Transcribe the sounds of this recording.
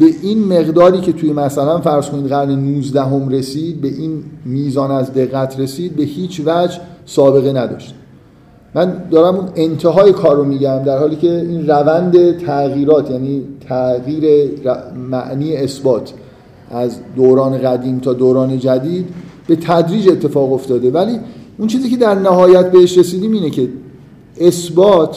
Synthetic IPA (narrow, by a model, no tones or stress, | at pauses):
be̞ʔinme̞ɣd̪ɒːɾiːcʰe̞t̪ʰujemæsælænfæɾz̥kʰo̞niːd̪ɣæɾnenuːzd̪æɦo̞mɾe̞siːd̪̚be̞ʔiːnmiːzɒːnæzd̪e̞ɣːæt̪ʰre̞siːd̪̚be̞hiːt͡ʃʰvæd͡ʒsɒːbe̞ɣe̞næd̪ɒ̰ːʃt̪ | mænd̪ɒːɾæmunent̪ʰe̞ɦɒːjekʰɒːɾːomiːɟæmd̪æɾhɒːliːcʰe̞iːnrævænd̪e̞t̪ʰæɣiːɾɒːt̪ʰjæniːt̪ʰæɣiːɾe̞ɾæmæʔniːjeːsbɒːt̪ʰ | ʔæzd̪oːɾɒːne̞ɣæd̪iːmt̪ʰɒːd̪oːɾɒːne̞d͡ʒæd̪iːd̪be̞t̪ʰæd̪ɾiːd͡ʒe̞t̪ʰːe̞fɒːɣoft̪ɒːd̪e̞væliːunt͡ʃʰiːziːcʰe̞d̪æɾnæhɒːjæt̪̚be̞he̞ʃɾe̞siːd̪iːmiːne̞cʰe̞ | esbɒːt̪ʰ